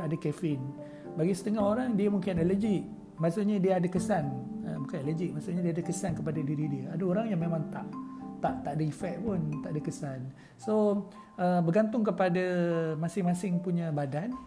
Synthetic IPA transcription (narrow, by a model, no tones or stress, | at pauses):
adakɛfɪn | baɡisət̪əŋahoɾaŋdiəmuŋkɪnɛləd͡ʒɪʔ | masuʔɲadiəadakəsanəmuŋkanɛləd͡ʒɪk̚masuʔɲadiadakəsankəpadadiɾidiəadaoɾaŋjaŋmemãŋt̪aʔt̪aʔt̪aʔdaifɛʔ̚pʊnt̪aʔdəkəsan | so | əbəɡant̪ʊŋk̬əpadamasɪŋmasɪŋpuɲãbadan